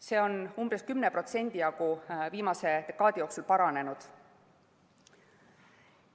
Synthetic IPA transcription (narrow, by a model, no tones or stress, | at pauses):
se̞ːo̞numbreskymnepro̞t̪se̞nʲd̪̥ijɑɡ̥uviːmɑse̞t̪ekːˑɑːd̪ʲijo̞ːksulpɑɾɑne̞nud̪̥